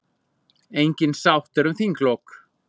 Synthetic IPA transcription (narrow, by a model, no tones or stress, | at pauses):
ejɲcɪnsawht̪ɛɾʏmθiŋkʰlok